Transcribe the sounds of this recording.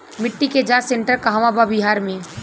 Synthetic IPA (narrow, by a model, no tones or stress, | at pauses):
mɪʈːiked͡ʒaːsẽɳʈəɾkaɦaʋãbabɪɦaːɾmẽ